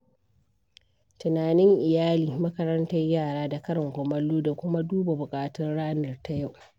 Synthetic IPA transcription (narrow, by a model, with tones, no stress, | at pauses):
tʊ˨naː˨nɪ˦ŋʔɪ˨jaː˦liː˨mɐ˦kɐ˦ɾɐ˦ntɐ˦rjaː˦˨ɽaː˦da˨kɐ˦ɾɐ˨ŋkʷʊ˨mɐ˦lːoː˦da˨kʷʊ˦ma˦duː˦ba˨bʊ˨kʼaː˨tɔ˦nɽaː˦nɐ˨rta˦ja˦˨wʔ